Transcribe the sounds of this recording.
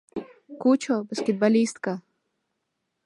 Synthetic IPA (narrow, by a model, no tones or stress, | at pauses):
kut͡ɕobəskʲet̪̚balʲist̪kɐ